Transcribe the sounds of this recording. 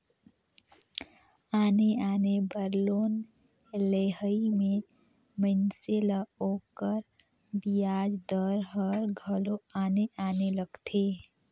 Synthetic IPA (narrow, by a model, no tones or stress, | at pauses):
aːneaːnebəɾloːn | leːɦəimẽ | mənselaoːkəɾ | bijaːd͡ʒd̪əɾɦəɾɡʱəloaːneʔaːneləɡt̪ʰe